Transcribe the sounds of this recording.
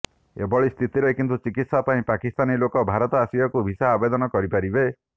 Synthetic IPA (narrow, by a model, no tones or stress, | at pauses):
ḛbɔɭist̪ʰit̪iɾekint̪ut͡ʃikit̪sapaĩpakist̪anilokɔbʱaɾɔt̪ɔasijakubʱisaːbed̪ɔnɔkɔɾipaɾibe